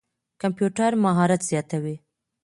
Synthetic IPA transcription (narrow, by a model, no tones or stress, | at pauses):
kampjuʈaɾmaɦɑɾat̪z̥jɑt̪awi